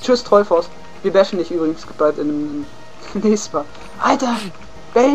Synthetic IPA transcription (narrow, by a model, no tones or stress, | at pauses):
t͡ʃʏstʁ̥ɔɪfɔʊst | viːɐvɛʃn̩dɪçʔyːbʁɪɡŋ̩sb̥altɪnmɪ | nːɛːçstmaː | ʔaltɐ | b̥ɛl